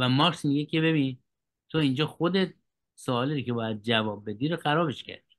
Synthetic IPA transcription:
væmɒːksmiɡekʰe̞be̞bi | t̪ʰoind͡ʒɒːxod̪et̪̚ | soɒːliɾikʲʰe̞bɒːjæd̪̚d͡ʒævɒːb̚ːe̞d̪iɾoxæɾɒːbeʃcʰæ̰ɾd̪̥i

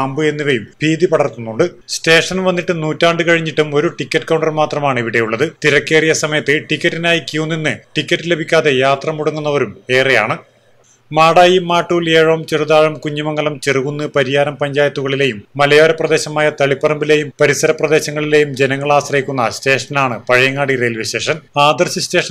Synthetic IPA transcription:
aːmbɨe̞nːiʋɐjumbʱiːd̪ipɐɽɐrt̪ːunːuɳɖɨ | ste̞ːʂɐnʋɐnːiʈːɨnuːtːaːɳɖɨkɐɻiɲːiʈːumo̞ɾuʈikʲːɐʈːkɐwɳɖɐrmaːt̪rɐmaːɳiʋiɽe̞juɭːɐðɨt̪iɾɐkːe̞ːrijɐsɐmɐjɐt̪ːɨʈikʲːɐʈːinaːjikʲjuːnːinːɨʈikʲːɐtːɨle̞bʱikʲːaːðe̞jaːt̪rɐmuɽɐŋːunːɐʋɐɾume̞ːreja̰ːɳɨ | maːɽaːjimːaːʈːuːleːɻɐʋɐmt͡ɕeruðaːɻɐmkuɲːumɐŋːɡɐlɐmt͡ɕeruɣunːɨpɐɾijaːɾɐmpɐɲd͡ʑaːjɐt̪ːuɣɐɭile̞ːjumːɐlɐjoːɾɐprɐd̪e̞ːɕɐmaːjɐt̪ɐɭipːɐrɐmbile̞ːjumpɐɾisɐɾɐprɐd̪eːɕɐŋːɐɭile̞jumd͡ʑenɐŋːɐɭaːɕrɐjikʲːunːɐɕte̞ːʂɐnaːɳɨpɐɻɐjɐŋːaːɽiɾelʋiɕe̞ːʂɐnaːd̪ɐrɕɐɕte̞ːʂɐ

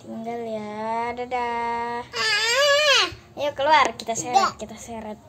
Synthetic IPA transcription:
t̪iŋɡaljadada | jokəluarkit̪asɛat̪̚kit̪asɛɾat̪̚

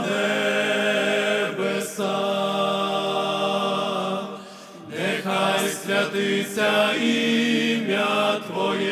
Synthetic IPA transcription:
nɛ | vɛsa | nɛxajsɾʲjat̪ɨt͡sʲaimʲat̪vɔjɛ

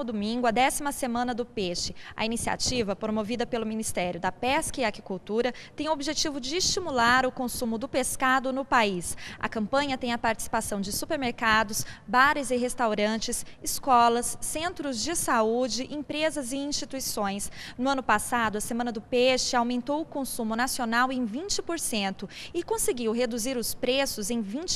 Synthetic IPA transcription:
ʊd̪omĩɡʊɐd̪ɛsimɐsemɐ̃nɐd̪ʊpeʃɪɐ̰inisia̰t͡ʃivɐpɾomovid̪ɐpelʊminist̪ɛɾjʊd̪ɐpɛskɐɪakikuwt̪uɾɐt̪ẽj̃ʊobiʒet͡ʃivʊd͡ʒɪːst͡ʃimulaɾʊkõsũmʊd̪ʊpeskad̪ʊnʊpaisɐ̰kɐ̃mpɐ̃ɲɐt̪ẽj̃ɐpaɾt͡ʃi̥si̥pasɐ̃w̃d͡ʒɪsupeɾmeɾkad̪ʊsbaɾɪzɪɦest̪awɾɐ̃t͡ʃɪsɪskɔlɐsːẽnt̪ɾʊzd͡ʒɪsaud͡ʒɪʔĩpɾezɐzɪĩst͡ʃit̪uisõj̃snʊɐ̃nʊpasad̪ʊɐsemɐ̃nɐd̪ʊpɛʃɪawmẽnt̪owʊkõsũmʊnasionawẽj̃vĩt͡ʃɪpoɾsẽnt̪ʊɪkõseɡiwɦed̪uziɾʊspɾesʊzẽj̃vĩt͡ʃ

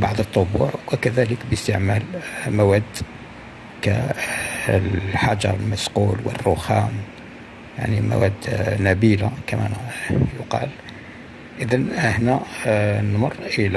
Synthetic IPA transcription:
baʕd̪ˤət̪ˤːobuʕwwəkæðæləkbjəst̪əʕmælmæwæd̪ | kæ̰ | lħɑd͡ʒɑ̰ɾˤəlmæsqulwə̰rːoxæm | ja̰ʕnimæ̰wæd̪næbilakæmæ̰njʊqɑ̰l | ʔəd̪ænʔəħnænmɑrˤːʔəlæ

